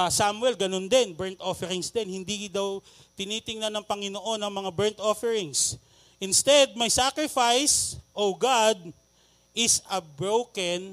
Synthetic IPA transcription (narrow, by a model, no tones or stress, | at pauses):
samwɛlɡɐno̞nd̪ɛnbɛɹnt̪ʔo̞fɛɾɪŋsd̪ɛnhɪnd̪id̪aw | t̪ɪniːt̪ɪŋnɐnɐŋpɐŋɪnoʔo̞nːɐŋmɐŋabɛɹnt̪ʔofɛɹɪŋs | ʔɪnst̪ɛd̪̚mɐjsakɹɪfajsʔoɡad̪̚ | ʔɪsɐbɹowkɐn